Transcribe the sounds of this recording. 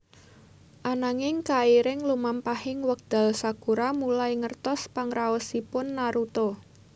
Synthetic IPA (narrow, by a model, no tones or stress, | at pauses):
ʔanaŋɪŋkaiɾɪŋlumampahɪŋwək̚d̪̥a̤lsaɡ̥uɾamulajŋərt̪ɔspaŋɾaɔsipʊnːaɾut̪o